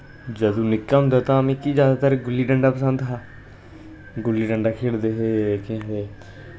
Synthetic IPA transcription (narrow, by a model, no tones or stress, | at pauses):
d͡ʒəd̪õːnɪkːaːɦʊ̃nd̪aːt̪ãːmẽːkiːzjaːd̪aːt̪əɾɡʊlːiːɖəɳɖaːpəsənd̪ɦaː | ɡʊlːiːɖəɳɖaːkʰeːɽd̪eːɦeːkẽːɦeː